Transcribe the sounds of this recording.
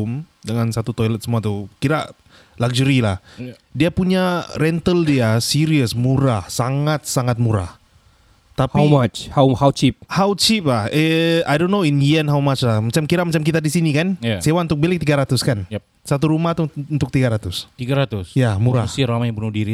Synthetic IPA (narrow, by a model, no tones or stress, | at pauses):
ʊmdəŋansat̪ut̪ɔjlət̪̚səmuat̪ukiɾa | lak̚d͡ʒəɾilah | diapuɲaɾɛnt̪əldiasiɾiəsmuɾahsaŋat̪̚saŋat̪̚muɾa̰h | t̪apiwmat͡ʃhawhawt͡ʃip̚hawt͡ʃip̚lahəajdonːoɪnjiɛnɦawmat͡ʃlahmat͡ʃamkiɾamat͡ʃamkit̪adisinikanasewaunt̪ʊk̚belɪk̚t̪iɡaɾat̪ʊskanj | sat̪uɾumaht̪uunt̪ʊk̚t̪iɡaɾat̪ʊst̪iɡaɾat̪ʊsjamuɾasiɾamajbənʊhdiɾi